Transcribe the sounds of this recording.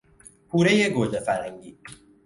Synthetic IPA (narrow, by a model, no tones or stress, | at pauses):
hʰuːɾejeɡoːd͡ʒefæɾhæŋɟiː